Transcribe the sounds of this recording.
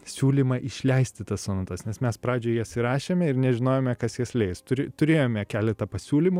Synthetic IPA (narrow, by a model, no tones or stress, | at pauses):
sʲuːlʲiːmɐʔɪʃʲlʲɛɪsʲt̪ʲɪt̪ɐssoːnɐt̪ɐsnʲɛsmʲɛspɾɑːd͡ʒʲoːɪjisɪɾɑːʃʲeːmʲɛɪɾnʲɛʒʲɪnoːjoːmʲɛkɐsjiɛslʲɛɪst̪ʊɾʲɪt̪ʊɾʲeːjoːmʲɛkʲæːlʲɛt̪ɐpɐsʲuːlʲimʊ